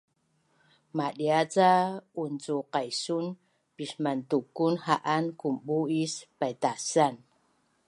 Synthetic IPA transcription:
maɗiat͡saunt͡suqajsun | pismantukunhaʔankumɓuispajt̪asan

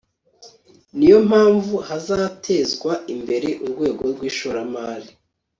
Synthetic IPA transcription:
nijo̞m̥haːɱvuhazatʰe̞zɡwaimbe̞ɾe̞ʔuɾɡwe̞ːɡo̞ɾɡwiːʃoɾamaːɾi

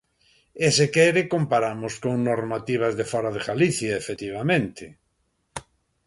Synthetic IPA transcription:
esekɛɾekompaɾamoskoŋnoɾmat̪iβ̞azðefɔɾaðeɣaliθjaefet̪iβ̞amẽnt̪ʰɪ

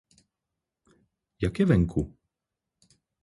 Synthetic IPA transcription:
jakʲjɛvɛŋkʰu

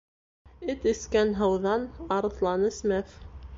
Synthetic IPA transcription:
ɘt̪ɘ̆skænɦɑwðɑnɑɾɤ̆θlˠɑnɘ̆smæf

